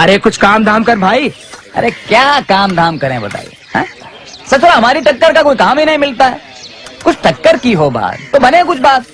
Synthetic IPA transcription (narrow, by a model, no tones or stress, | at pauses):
ɐɾekʊt͡ʃʰkaːmd̪ʱaːmkɐɾbʱaːi | ɐ̰ɾekjaːkaːmd̪ʱaːmkɐɾẽːbɐt̪a̰ːḭḛɦɛ̰̃ː | sɐt͡ʃɾaɦɐmaːɾiʈɐkːəɾkakoːikaːmɦinɐɦĩmɪlt̪aɦɛ̰ː | kʊt͡ʃʰʈɐkːəɾkiɦoba̰ːt̪ːobɐnẽk̬ʊt͡ʃʰbaːt̪̚